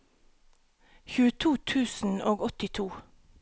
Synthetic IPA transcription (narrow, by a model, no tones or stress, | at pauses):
çʉːət̪ʰuːt̪ʰʉːsn̩oːɡɔt̪ɪt̪ʰuː